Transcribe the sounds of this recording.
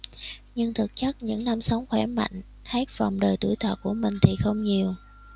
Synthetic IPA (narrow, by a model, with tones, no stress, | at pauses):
ɲɨ˧ŋt̪ʰɨ˨˩k̚t͡ɕa˦˥k̚ɲɨ̰˧˥ŋna˧msa˨˦wŋ͡mxwɛ˧˩ma̰˧˨jŋ̟ | ha˦˥t̚va˨˩wŋ͡mɗəː˨˩jt̪ṵ˧˩əjt̪ʰwə̰ː˨˩t̚kːu˧˩əmï˨˩ŋ̟t̪ʰi˨˩xə˧wŋ͡mɲi˨˩əw